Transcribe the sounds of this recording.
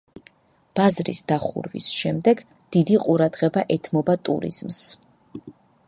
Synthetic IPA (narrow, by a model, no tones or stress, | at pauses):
b̥azɾḭsd̪̥aχṵɾvḭsʃɛmd̪ɛɡ | d̪̥id̪iqʼuɾad̪ʁɛbaʔɛt̪ʰmɔbat̪ʼṵɾḭz̥ms